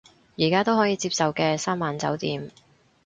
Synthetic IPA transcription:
jiː˨˩kaː˥t̪o˥wɦɔː˨˥jiː˨˧t͡siː˧p̚sɐ˨wkɛː˧saː˥mːaː˨˥nt͡sɐ̰˨˥wt̪iː˨m

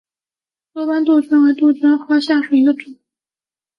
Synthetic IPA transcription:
t̪wɔ˥pa˥nt̪u˥˩t͡ɕʰɥɛ˥na˧˥t̪u˥˩t͡ɕʰɥɛ˥nxwa˥ɕja˥˩ʂwe˨˩˥ɡ̪ə˧˩ʈ͡ʂʰi˨˩˦

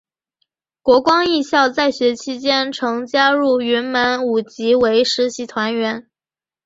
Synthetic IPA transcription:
kwɔ˧˥kwɑ˥ŋi˥˧ɕjɑ˥˧ʊt͡sa˥˩ɪɕɥɛ˧˥t͡ɕʰi˥t͡ɕjɛ˥nʈ͡ʂʰɤ˧˥ŋt͡ɕja˥ɻu˥˩y˧˥nmə˧˥nu˨˩t͡ɕi˧˥we˧˥ɪʂɻ̩˧˥ɕi˧˥t̪ʰwa˧˥nɥɛ˧˥n

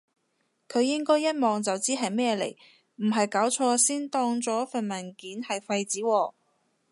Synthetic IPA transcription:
kʰɵ˨˧ɥjɪ˥ŋkɔː˥jːɐ˥t̚mɔː˨˩ŋt͡sɐ˨wt͡siː˥ɦɐ˨jmɛː˥ɛ˧lḛ˨˩j | m̩˨˩ɦɐ˨jkaː˨˥wt͡ʃʰɔː˧siː˥nt̪ɔː˧ŋt͡sɔː˨˥fɐ˨nmɐ˨˩nkiː˨˥nhɐ˨jfɐ˧jt͡siː˨˥wɔː˧

